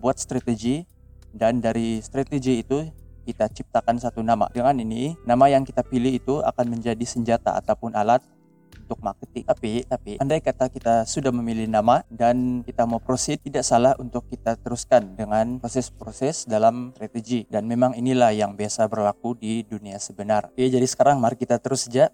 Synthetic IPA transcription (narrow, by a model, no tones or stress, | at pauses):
buat̪̚st̪ɾat̪eɡi | dandaɾist̪ɾat̪eɡiːt̪ukit̪at͡ʃip̚t̪akansat̪unama̰dəŋanininamajaŋkit̪apilɪhːt̪ua̰kanməɲd͡ʒadisəɲd͡ʒat̪a̰a̰t̪awpʊnʔalat̪̚ | unt̪ʊk̚mak̚ət̪it̪apit̪apiʔandajkat̪akit̪asudahməmilɪhnamadankit̪amawpɾosɪt̪ːidaʔsalahunt̪ʊkːit̪at̪əɾuskandəŋanpɾosɛspɾosɛsdalamɾet̪id͡ʒidanmemaŋinilahjaŋbiasabərlak̚udiduniasəbənarjad͡ʒadisə̥kaɾaŋmaɾkit̪at̪əɾʊsd͡ʒaʔ